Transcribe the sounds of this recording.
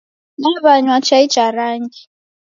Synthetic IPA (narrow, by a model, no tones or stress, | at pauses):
naβaɲwat͡ʃʰaid̥ʒ̥ʱaɾaːndi